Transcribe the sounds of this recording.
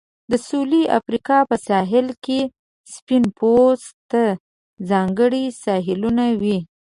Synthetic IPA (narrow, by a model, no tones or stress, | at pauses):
d̪əsuliʔa̰fɾikɑpəsɑɦɪlke | spinpozt̪a | zɑŋɡəɽisɑɦɪlunawi